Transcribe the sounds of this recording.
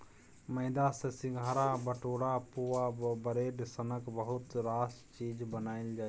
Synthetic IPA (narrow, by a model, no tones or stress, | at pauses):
məɪd̪asesɪ̃ɡʱaːɾabəʈoːɽapuʋabəɾeːɖsənəkbəɦʊt̪ɾaːst͡ʃiːd͡ʒbənaːɪld͡ʒaː